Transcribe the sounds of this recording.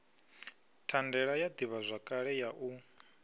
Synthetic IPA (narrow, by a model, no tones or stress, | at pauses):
tʰandɛɺajad̪iβazʷakʼaɺɛjaʔu